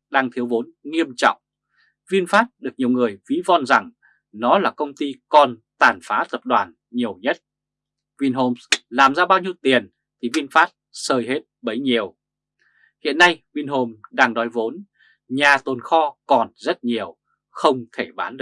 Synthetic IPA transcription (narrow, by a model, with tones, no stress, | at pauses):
ɗaː˧ŋt̪ʰi˨˦əwvo˨˦nŋi˧əmt͡ɕɔ̰˧˨wŋ͡m | vi˧ənfaː˦˥t̚ɗɨ˨˩ək̚ɲi˨˩əwŋɨ˨˩əjvi˨˦vɔ˧nza˨˩ŋ | nɔ˨˦laː˨˩kə˧wŋ͡mt̪i˧kɔ˨˩nt̪aː˨˩nfaː˨˦t̪ə˨˩p̚ɗwaː˨˩n | ɲi˨˩əwɲə˦˥t̚ | vi˧nɦo˧mslaː˨˩mzaː˧ɓaː˧wɲi˧əwt̪i˨˩ən | t̪ʰi˨˩vi˧ənfaː˦˥t̚ | səː˧jɦe˦˥t̚ɓə˨˦jɲi˨˩əw | hḭ˧˨ənːa˧jvi˧nɦo˧mɗaː˧ŋɗɔ˨˦jvo˨˦n | ɲaː˨˩t̪o˨˩nxɔ˧kɔ˨˩nzə˦˥t̚ɲi˨˩əw | xə˧wŋ͡mt̪ʰe˧˩ɓaː˨˦nɗɨ˨˧˩